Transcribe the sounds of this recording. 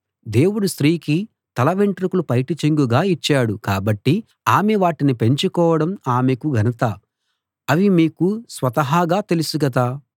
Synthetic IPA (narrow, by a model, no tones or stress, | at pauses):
d̪e̞ːwuɽust̪ɾiːki | t̪ɐlɐʋeɳʈɾikulupɐjʈit͡ʃeŋɡuɡaːit͡ʃːaːɽukaːbɐʈːi | aːmeʋaːʈinipe̞ɲt͡ʃukɔːʋɐɽɐmaːmekuɡʱɐnɐt̪a | ɐʋimiːkusʋɐt̪ɐɦaːɡaːt̪e̞lusuɡɐt̪aː